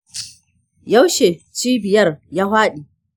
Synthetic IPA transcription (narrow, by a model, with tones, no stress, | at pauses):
ja˦wʃe˨t͡ʃiː˦bɪ˨jɐ˦rjaː˦haː˦ɗiː˨